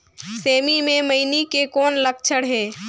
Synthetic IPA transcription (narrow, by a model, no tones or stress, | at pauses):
seːmimẽməɪnikekɔːnlək̚t͡ʃʰəɽɦɛː